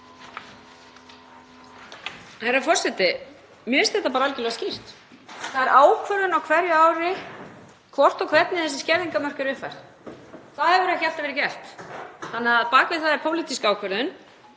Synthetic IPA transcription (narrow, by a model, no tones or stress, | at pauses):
θeɾafɔr̥sɛt̪ɪ | mjɛɪst̪ɛht̪ːapaːɾaalcɪlɛɣascir̥t̪ | θaðɛɾʔaːwkʰvœɾðʏnawkʰvɛɾjʏaːwɾɪ | kʰvɔr̥t̪ɔkʰvɛt̪nɪθɛsːɪ̥scɛɾðiŋkamœr̥kʏɾʏhpfajr̥t̪ | θaðhɛvʏɾɛhçal̥t̪avɛɾɪcɛl̥t̪θanːɪaðpaːkvɪðθaðɛɾpʰoːwlit̪iskaːwkʰvœɾðʏn